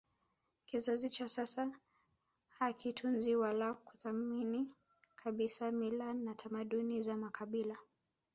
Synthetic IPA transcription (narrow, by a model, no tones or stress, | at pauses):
kizazit͡ʃasasa | hakʰitʰunziwalaku̥θamini | kʰaɓisamilanatʰamaɗunizamakʰaɓila